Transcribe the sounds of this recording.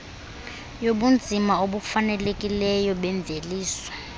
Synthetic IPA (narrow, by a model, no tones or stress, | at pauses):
joɓund͡zʱimaoɓufanɛlekʼilɛjɔɓɛɱb̪vʱeliːswɔ̥